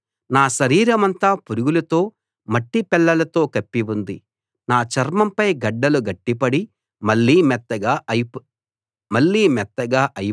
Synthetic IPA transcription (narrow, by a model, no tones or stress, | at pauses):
naːʃɐɾiːɾɐmɐnt̪aːpuɾuɡulɐt̪o̞ː | mɐʈːipɛlːɐlɐt̪o̞ːkɐpːiʋund̪i | naːt͡ʃɐɾmɐmpɐjɡɐɖːɐluɡɐʈːipɐɽi | mɐɭːiːmɛt̪ːɐɡaː | mɐɭːiːmɛt̪ːɐɡaːʔɐj